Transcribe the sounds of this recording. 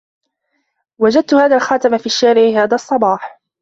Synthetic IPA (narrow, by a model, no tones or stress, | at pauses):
wad͡ʒad̪̚t̪ʊhaːðaːlxɑːt̪ɪmafiːʃːaːɾɪʕɪhaːðaːɑsˤːɑbɑːħ